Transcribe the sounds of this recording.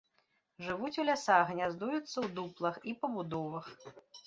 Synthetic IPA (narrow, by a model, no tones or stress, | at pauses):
ʐɨvut͡sʲulʲasaɣɣnʲazd̪ujut̪sːɐwd̪uplˠɐxipɐbud̪ɔvɐx